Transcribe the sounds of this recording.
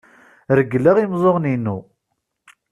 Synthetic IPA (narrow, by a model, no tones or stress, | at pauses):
ɾəɡːlːæʁimzˤoʁninːu